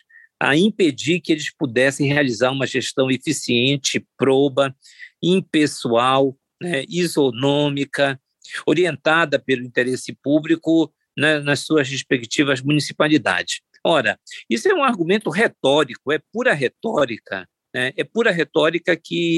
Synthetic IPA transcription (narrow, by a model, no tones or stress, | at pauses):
ɐ̰ĩped͡ʒiɾkɪelɪspud̪ɛsẽj̃ɦealizaɾũmɐʒest̪ɐ̃w̃efisiẽnt͡ʃɪpɾobɐ | ĩpesuaw | nɛizonõmikɐ | oɾiẽnt̪ad̪ɐpelʊĩnt̪eɾesɪpublikʊ | nɛnɐssuɐzheʃpekt͡ʃivɐzmũnisi̥palid̪a̰d͡ʒɪs | ɔɾɐisʊɛũaɾɡũmẽnt̪ʊɦet̪ɔɾikʊɛp̚uɾɐɦet̪ɔɾikɐ̰ | nɛɛpuɾɐɦet̪ɔɾikɐkɪ